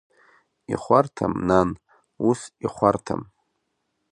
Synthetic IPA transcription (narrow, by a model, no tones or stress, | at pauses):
ḭχʷartʰa̰mnan | usiχʷartʰa̰m